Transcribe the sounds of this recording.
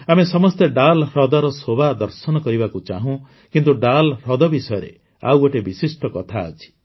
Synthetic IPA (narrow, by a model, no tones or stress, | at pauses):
amesɔmɔst̪eɖalɾɔd̪ɔɾɔsobad̪ɔɾsɔnɔkɔɾibakut͡ʃaɦũ | kint̪uɖalɾɔd̪ɔbisɔjɔɾḛ | a̰woʈebisisʈɔkɔt̪ʰaːt͡ʃʰi̥